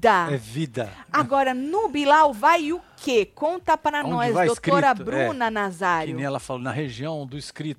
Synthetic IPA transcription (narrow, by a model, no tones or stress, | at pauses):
d̪aɛvid̪ɐaɡɔɾɐnʊbilawvajʊkʰekõnt̪ɐpɾɐñɔszvadostɾoiɾɐbɾũnɐnazaɾjnʊẽj̃ɛlɐfalonɐɦeʒiɐ̃w̃d̪ʊiskɾit̪ʊ